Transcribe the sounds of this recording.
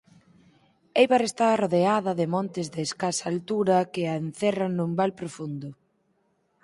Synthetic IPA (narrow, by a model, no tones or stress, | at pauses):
ejβaɾest̪aroðeaðɐðɪmɔ̃nt̪ɪzðeːskasaːlt̪uɾɐkɪaenθɛrɐŋnumbalpɾofund̪ʊ